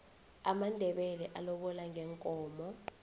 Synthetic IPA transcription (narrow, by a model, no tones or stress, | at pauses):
amandʱɛɓɛlɛʔalɔɓɔlaŋʱɛŋkʼɔːmɔ